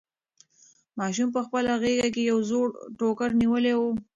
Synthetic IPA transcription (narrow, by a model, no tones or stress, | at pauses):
mɑʃ̬umpəxpəlaɣeɡak̬ejawzoɽʈokəɾniwəlewo